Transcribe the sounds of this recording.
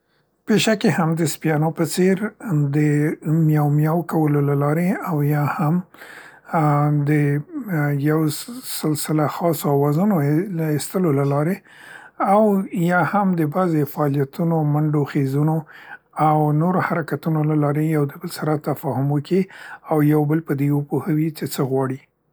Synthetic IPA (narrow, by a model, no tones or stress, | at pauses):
peʃakehamd̪əspjɑnopət͡seɾd̪əmjɑwmjɑwkawəlolalɑɾeawjɑham | d̪ə | jawsɪlsɪlaxɑsoawɑzunoist̪əlolalɑɾe | awjɑhamd̪əbazefaːlijat̪unomaɳɖoxezuno | awnoɾohaɾakat̪unolalɑɾejawd̪əbəlsaɾat̪afɑɦʊmwəkʰiawjawbəlpəd̪ewəpohəwit͡ʃet͡səɣwɑɽi